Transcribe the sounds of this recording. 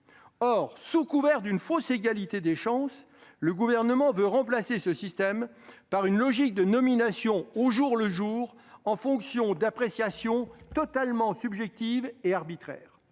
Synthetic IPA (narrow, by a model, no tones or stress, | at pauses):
ɔʁsukuvɛʁd̪ynfoseɡalit̪ed̪eʃɑ̃s | ləɡuvɛʁnəmɑ̃vøʁɑ̃plasesəsist̪ɛm | paʁynlɔʒik̚d̪ənɔminasjɔ̃oʒuʁləʒuːʁ | ɑ̃fɔ̃ksjɔ̃d̪apχesjasjɔ̃t̪ɔt̪almɑ̃sybʒɛk̚t̪iveaʁbit̪χɛ̰ːʁ